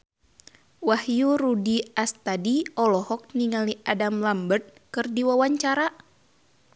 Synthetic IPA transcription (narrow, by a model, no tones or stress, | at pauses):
wahjuɾudiast̪adiɔlɔhɔk̚niŋaliʔadamlambərt̪̚ | kɨrdiwawaɲt͡ʃaɾa